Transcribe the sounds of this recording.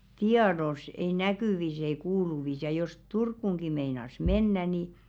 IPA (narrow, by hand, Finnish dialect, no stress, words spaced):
tiɑdos ei nækyˑʋis ei kuːluʋis jɑ jos turkːuŋɡ̊i meinɑs menːæ ni